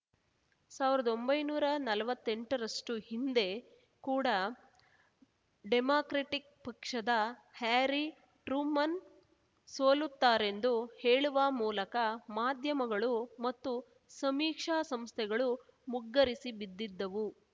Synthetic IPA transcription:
saːʋiɾɐd̪o̞mbɐjnuːɾɐnɐlɐʋɐt̪ːe̞ɳʈɐɾɐʂʈuhind̪e̞ | kuːɽɐ | ɖemaːkɾeʈik̚pɐkʂɐd̪ɐhaːɾi | ʈɾuːmɐn | soːlut̪ːaːɾe̞nd̪uheːɭuʋɐmuːlɐkɐmaːd̪ʱjɐmɐɡɐɭumɐt̪ːu | sɐmiːkʂaːsɐmst̪ʰɛɡɐɭumuɡːɐɾisibid̪ːid̪ːɐʋu

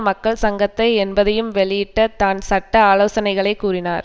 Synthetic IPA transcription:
mɐkːɐɭsɐŋɡɐt̪ːɐɪɛnbɐðɐjɯmʋɛɭɪjɪʈːɐt̪aːnsɐʈːɐaːloːsɐnɐɪɣɐɭɐɪkːuːrɪnaːɾ

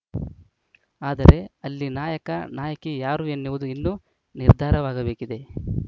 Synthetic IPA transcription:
aːd̪ɐɾe̞ɐlːinaːjɐkɐnaːjɐkijaːɾuenːiʋud̪uinːu | niɾd̪ʱaːɾɐʋaːɡɐbe̞ːkid̪e̞

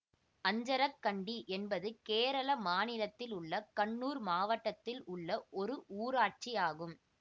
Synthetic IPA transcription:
ɐɲd͡ʒɐɾɐkːɐɳɖiʔɛnbɐðɯkeːɾɐɭɐmaːnɪlɐt̪ːɪlʊɭːɐkɐɳːuːɾmaːʋɐʈːɐt̪ːɪlʊɭːɐʔɔɾɯʔuːɾaːʈ̚t͡ʃijaːɣɯm

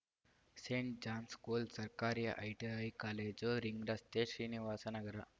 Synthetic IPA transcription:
seɳʈ̚d͡ʑanskulsəɾkaɾij̰ʔajʈiajkaled͡ʑoɾiŋɡɾast̪eɕɾiniʋasanəɡəɾa

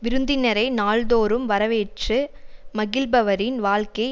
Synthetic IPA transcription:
ʋɪɾɯnd̪ɪnɐɾɐɪnaːɭd̪oːɾɯmʋɐɾɐʋeːʈrɯmɐɣɪlbɐʋɐɾɪnʋaːɭkɐɪ

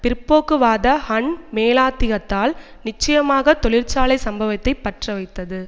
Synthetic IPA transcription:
pɪɾpːoːkːɯʋaːðɐhɐɳmeːlaːt̪ːɪɣɐt̪ːaːl | nɪt͡ʃːɐjɐmaːɣɐt̪ɔɭɪɾt͡ʃaːlɐɪsɐmbɐʋɐt̪ːɐɪpːɐʈrɐʋɐɪt̪ːɐðɯ

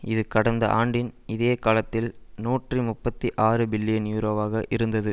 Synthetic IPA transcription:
ɪðɯkɐɽɐnd̪ɐ̰ʔaːɳɖɪnɪðeːkaːlɐt̪ːɪlnuːʈrimʊpːɐt̪ːiʔaːɾɯbɪlːɪjɐnjuːɾoːʋaːɣɐʔɪɾɯnd̪ɐðɯ

